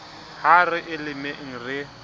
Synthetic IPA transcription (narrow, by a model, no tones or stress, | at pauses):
harɪʔɪlɪmeŋ̩rɪ